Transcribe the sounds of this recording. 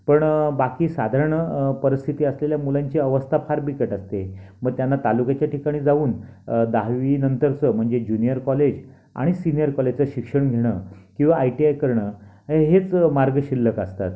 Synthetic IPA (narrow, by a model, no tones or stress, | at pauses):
pəɳbakiːsad̪ʱaɾəɳəpəɾist̪ʰit̪iːəsleljamulaɲt͡ɕiːəʋəst̪ʰapʰaɾbikəʈəst̪eməɡ̚t̪janːat̪alukat͡ɕjaʈʰikaɽ̃iːd͡zauːnd̪aɦʋinənt̪əɾt͡səm̤əɳd͡zed͡ʑunijəɾkɔled͡ʑ | a̰ɽ̃isinijəɾkɔled͡ʑt͡səɕikʂəɳɡʱeɽ̃əkĩw̃ʋaːjʈiajkəɾɳə | ɦeɦet͡smaɾɡɕilːəkəst̪at̪